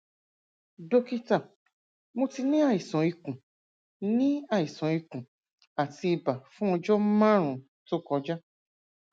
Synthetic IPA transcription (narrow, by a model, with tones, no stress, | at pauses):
do˦ki˦ta˨ | mo˧ti˧nĩ˦a˦˨i˨sɔ̃˨i˧kũ˨ | nĩ˦a˦˨i˨sɔ̃˨i˧kũ˨ | a˨ti˧i˧ba˨fũ˦ɔ˧d͡ʒɔ˦mã˦ɾ̃ũ˨ | to˦kɔ˧˦d͡ʒa˦